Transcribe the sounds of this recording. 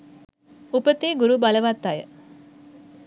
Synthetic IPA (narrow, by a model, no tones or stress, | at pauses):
upət̪eːɡuɾubaləʋat̪ːajə